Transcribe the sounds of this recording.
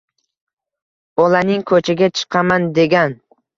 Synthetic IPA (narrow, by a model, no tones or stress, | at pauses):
bɒlanɪŋkʰɵt͡ʃʰaɡʲat͡ʃʰɨ̥qʰɑmand̪e̞ɡʲan